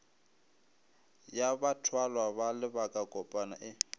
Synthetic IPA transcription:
jabatʰwalwaβalɪbakʼakʼɔpʼana̰ʔɪ

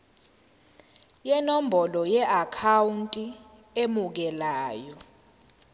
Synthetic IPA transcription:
jɛnom̩bʱɔlɔjɛʔakʰawuntʼi | emuk̬ɛlaːjɔ

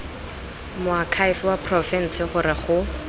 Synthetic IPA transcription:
mʊakʰajfwapʰrɔfɛn̩sɪχʊrɪχʊ

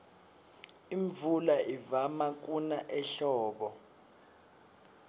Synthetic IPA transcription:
iɱvulaʔivamak̬ʼunaʔɛɬɔːɓɔ

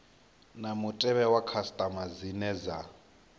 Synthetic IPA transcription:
namutʼɛβɛwakʰastʼamazinɛza

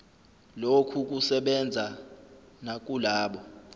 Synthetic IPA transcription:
lokʰuk̬usɛɓɛnd͡zʱa | nak̬ʼulaːɓɔ

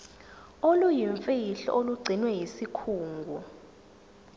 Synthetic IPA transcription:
olujiɱfiiɬɔ̰ʔoluɡ͡ǀʱinwɛjisikʰuːŋɡʱu

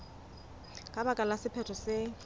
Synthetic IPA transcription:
kʼabakʼalasɪpʰɛtʰɔsɪ

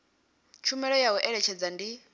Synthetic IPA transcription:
t͡ʃʰumɛɺɔjawɛʔɛɺɛt͡ʃʰɛd͡zandi

